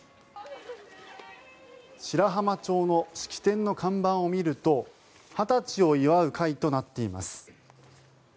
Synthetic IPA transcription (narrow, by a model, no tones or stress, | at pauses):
ɕiɾaɦamat͡ɕo̞ːno̞ɕi̥kʲi̥t̪ẽ̞nːo̞kʰãmbãɰ̃o̞mʲiɾɯ̟t̪o̞ | hat̪at͡ɕio̞iβaɯ̟kʰait̪o̞nat̪ːe̞ima̰sɨ̥